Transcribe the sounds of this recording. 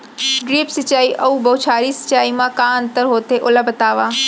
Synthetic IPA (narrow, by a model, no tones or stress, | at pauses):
ɡɾiːpsɐt͡ʃaːiʔɐubɐʊt͡ʃʰaːɾisɐ̥t͡ʃaːimãkãːə̃nt̪əɾɦoːt̪eʔʊlabɐt̪aːʋaː